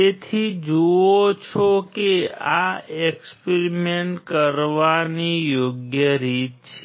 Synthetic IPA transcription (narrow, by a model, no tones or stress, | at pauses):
et̪ʰid͡ʒuot͡ʃʰokeaekspeɾimeɳʈkəɾʋanijoɡjəɾit̪t͡ʃʰe